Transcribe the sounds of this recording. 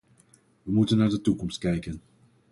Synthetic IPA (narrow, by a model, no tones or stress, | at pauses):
ʋəmutənːaːɹdətukɔmst̚kɛjkən